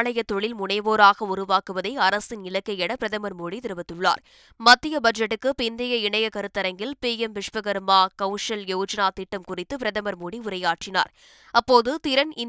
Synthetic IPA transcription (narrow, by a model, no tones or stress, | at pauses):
ɭɐjɐt̪ːɔɭɪlmʊɳɐɪʋoːɾaːɣɐʊɾʊʋaːkɯʋɐðɐɪɐɾɐsɪnɪlɐkːɐjɛɽɐpɪɾɐðɐmɐɾmuːɽit̪ɪɾɯʋɐt̪ːɯɭːa̰ːɾ | mɐt̪ːɪjɐbɐd͡ʒɐʈːɯkːɯpɪnd̪ɪjɐɪɳɐjɐkɐɾɯt̪ːɐɾɐŋɡɪlpeːjɛmʋɪʂpɐɣɐɾɯmaːkɐʊʂɐljɛʋd͡ʒɐnaːt̪ɪʈːɐmkʊrɪt̪ːɯpɪɾɐðɐmɐɾmuːɽiʊɾɐjaːʈrɪna̰ːɾ | ɐpːoːðɯt̪ɪɾɐnɪ